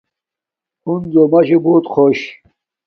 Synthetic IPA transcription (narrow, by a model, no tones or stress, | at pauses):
unzomɐɕebuːt̪χʰoɕ